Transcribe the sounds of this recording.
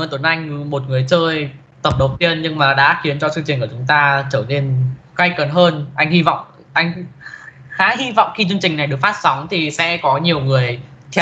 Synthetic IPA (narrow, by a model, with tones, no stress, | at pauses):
ə˧˩t̪ə˧˩nʔa˧jŋ̟mo˨˩t̚ŋɨ˨˩əjt͡ɕəː˧j | t̪ə˨˩p̚ɗə˨˩w̚t̪i˧ənɲɨ˧ŋmaː˨˩ɗa̰ː˧˥xi˨˦ənt͡ɕɔ˧t͡ɕɨ˧ŋt͡ɕï˨˩ŋ̟kət͡ɕʊ˨˦ŋ͡mt̪aː˧t͡ɕəː˧˩ne˧n | ka˧jkə˨˩nɦəː˧nʔa˧jŋ̟hi˧vɔ̰˧˨wŋ͡m | ʔa˧jŋ̟ | xaː˨˦ɦi˧vɔ̰˧˨wŋ͡mxi˧t͡ɕɨ˧əŋt͡ɕï˨˩ŋ̟na˨˩jɗɨ˨˩ək̚faː˦˥t̚sa˨˦wŋ͡mt̪ʰi˨˩sɛ̰˧˥kɔ˨˦ɲi˨˩əwŋɨ˨˩əj | t̪ʰɛ˧